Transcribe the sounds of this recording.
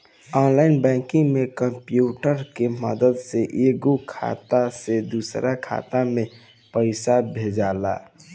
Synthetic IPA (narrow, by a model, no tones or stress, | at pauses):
ɔːnlaːɪnbɛ̃ːkɪ̃ŋɡmẽkəmpjuːʈəɾkeməd̪əd̪seʔeːɡokʰa̰ːt̪ased̪uːsɾakʰa̰ːt̪amẽ | pəɪsabʱeːd͡ʒaːla̰ː